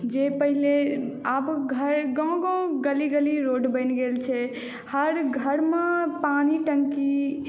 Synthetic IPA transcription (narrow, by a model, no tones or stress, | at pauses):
d͡ʒepəɦileabɡʱəɾɡɔ̃ɡɔ̃ɡəliɡəliɾoɖbəɪnɡelt͡ʃʰɛ | həɾɡʱəɾmepaniʈəŋki